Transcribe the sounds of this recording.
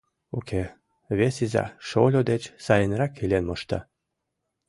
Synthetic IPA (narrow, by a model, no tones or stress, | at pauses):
okʰe | vesiza̰ʃolʲod̪et͡ɕsajenɾakʰelʲenmoʃt̪a̰